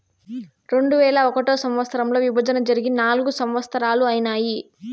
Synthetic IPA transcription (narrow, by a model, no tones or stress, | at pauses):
ɾe̞ɳɖuʋɛːɭɐɔkɐʈoːsɐmʋɐt̪st̪ɐɾɐmlo̞ːʋibʱɐd͡ʒɐnɐd͡ʒɐɾiɡinaːluɡusɐmʋɐst̪ɐɾaːluɐjnaːji